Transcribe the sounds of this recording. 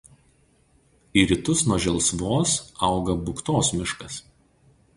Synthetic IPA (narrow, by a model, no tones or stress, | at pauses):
iːɾʲɪt̪ʊsnuɔʒʲɛlˠˑsʋoːsɑˑʊɡɐbʊkt̪oːsmʲɪʃkɐs